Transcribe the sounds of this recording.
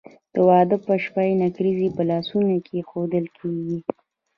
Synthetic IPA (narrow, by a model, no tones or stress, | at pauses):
d̪̥əwɑd̪əpəʃpajnakɾizipəlɑsunokʰexod̪əlkʰeɡi